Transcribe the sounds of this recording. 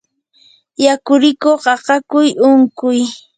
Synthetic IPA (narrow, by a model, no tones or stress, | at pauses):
jakʊɾɪkoqɑɢɑkʊjʊŋkʊj